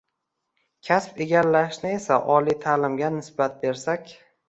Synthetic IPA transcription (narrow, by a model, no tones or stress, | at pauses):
kʲʰaspe̞ɡʲalːaʃnɪe̞saʔɒlijt̪ʰaːlɪmɡʲanɪsbat̪̚be̞ɾsakʲ